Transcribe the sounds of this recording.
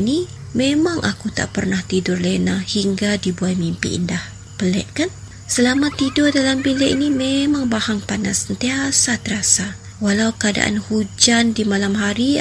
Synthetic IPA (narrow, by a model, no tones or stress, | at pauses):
ni | memaŋʔa̰kut̪a̰ʔpərnaht̪idʊrlenahiŋɡadibuat̪̚mimpḭḭndah | pəlɛ̰ʔ̚kan | səlamat̪idʊrdalambilɛʔinimemaŋbahaŋpanasːənt̪iasat̪əɾasa | walawkəada̰ʔa̰nhud͡ʒandimalamɦaɾi